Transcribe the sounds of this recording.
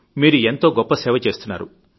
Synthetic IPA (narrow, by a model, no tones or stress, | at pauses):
miːɾue̞nt̪o̞ːɡɔpːɐsɛːʋɐt͡ʃe̞ːst̪unːa̰ːɾu